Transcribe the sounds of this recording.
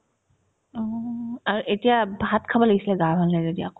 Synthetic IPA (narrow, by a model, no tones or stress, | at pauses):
ɔaɹuʔetijabʱatkʰabɔlaɡisilɛɡaɦalnazedija